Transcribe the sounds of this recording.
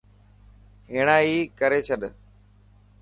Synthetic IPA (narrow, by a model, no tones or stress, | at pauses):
ɦeːɳ̃aːiːkəɾeːt͡ʃʰəɗ